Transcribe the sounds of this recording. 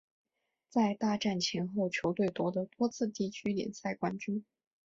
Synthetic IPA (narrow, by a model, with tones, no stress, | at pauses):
t͡sa˥˧ɪt̪a˥˧ʈ͡ʂa˥˩nt͡ɕʰɛ˧˥nxo˥˩ʊt͡ɕʰjo˧˥ʊt̪we˥˩ɪt̪wɔ˧˥d̪ə˧t̪wɔ˥t͡sʰɹ̩˥˧t̪i˥˩t͡ɕʰy˥ljɛ̰˨˩nsa˥˩ɪkwa˥nt͡ɕy˥n